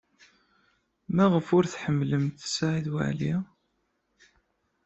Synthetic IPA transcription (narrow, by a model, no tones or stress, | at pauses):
mæʁəfʊɾθħəmːləmt̪sʕiðwa̰ʕli